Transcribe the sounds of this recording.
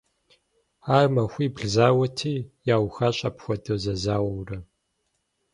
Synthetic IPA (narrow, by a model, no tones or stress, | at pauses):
aːrmɐxʷiːbɮzaːwɐtʰiːjaːwxaːɕʼɐpxʷɐdɐwzɐzaːwɐwrɐ